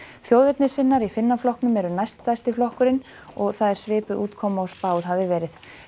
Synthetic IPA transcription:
θjowðɪt̪nɪsɪnːaɾifɪnːaflɔhknʏmɛɾʏnajst̪ːajst̪ɪflɔhkʏɾɪn | ɔɣθaðɛɾ̥svɪːpʏðuːt̪kʰɔmaɔspaːwðɦavðɪvɛːɾɪð

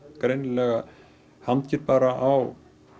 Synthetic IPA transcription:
kɾejnlɛɣa | hamt̪cɪɾpaːɾaʔaw

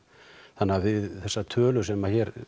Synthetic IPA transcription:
θanːavɪððθɛsːat̪ʰœːlʏsɛmaðçɛɾ

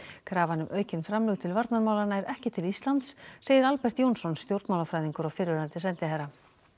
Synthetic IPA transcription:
kʰɾaːvanʏmʔœːɥcɪnfɾamlɛɣt̪ʰɪlvaɾt̪naɾmaːwlanaɛɾɛhcɪt̪ʰɪlist̪lant̪sːeːjɪɾalpɛr̥t̪jownsɔnst̪jowɾt̪maːwlafɾaːjðiŋkʏɾawfɪɾvɛɾant̪ɪsɛnt̪ɪɦɛɾa

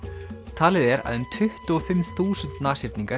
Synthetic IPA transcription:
t̪ʰaːlɪðɛɾa̰ðʏmt̪ʰʏht̪ɔfɪmθuːsʏnt̪naːsɪɾt̪niŋka

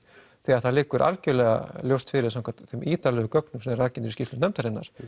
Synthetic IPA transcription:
θiaðθaðlɪːkʏɾʔa̰lcʏlɛɣa̰ljowst̪fɪɾɪɾ̥saŋkʰat̪θɛmʔiːt̪alɛːɣʏkœknʏmsɛmɛɾaɾcɪnt̪ɪɾiscist̪ʏnɛmt̪aɾɪnːa̰ɾ̥

